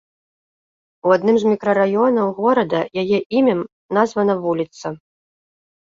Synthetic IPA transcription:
uad̪nɨmzmʲikɾɐɾajɔnɐwɣɔɾɐd̪ɐjajɛʔimʲɛm | nazvɐnɐvulʲit̪sɐ

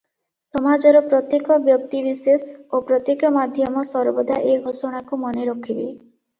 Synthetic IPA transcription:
sɔmad͡ʒɔɾɔpɾɔt̪jekɔbjɔk̚t̪ibisesopɾɔt̪jekɔmad̪ʱjɔmɔsɔɾbɔd̪ʱaʔeɡʱosɔɽ̃akumɔneɾɔkʰibḛ

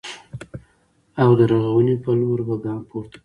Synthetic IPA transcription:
awd̪əɾaɣawənepəloɾbaɡɑmpʰoɾt̪ḁ

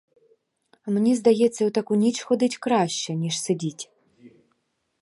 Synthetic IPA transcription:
ɐmnʲɛzd̪ajɛt̪sːɐut̪akunʲit͡ʃxɔd̪ɨt͡sʲkɾaɕːɛnʲiʂsɨd͡zʲit͡sʲ

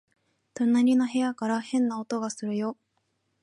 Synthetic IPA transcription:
t̪onaɾʲino̞ɦe̞jakaɾahẽ̞nːaot̪o̞ɡasɨɾɯ̟jo̞

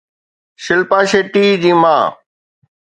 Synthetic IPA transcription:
ʃɪlpãːʃeːʈiːd͡ʑiːmã̰ː

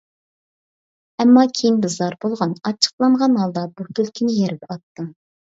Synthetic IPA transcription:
ɛmːɑkʲʰejinbɨzɑɾbolˠʁɑnɑt͡ʃʰə̥qlˠɑɴʁɑnɦɑlˠd̪ɑbuk̪ʲʰølkʲʰinɪjɛɾɪpʰɑt̪ːɨm

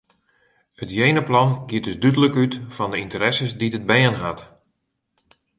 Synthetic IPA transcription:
hətjejnəplɑnɡiədəsdydələkytfɔndəintəɾɛsəsdidəd̚bɛənɦat

